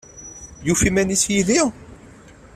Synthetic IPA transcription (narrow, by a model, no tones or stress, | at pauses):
jufimænisjiði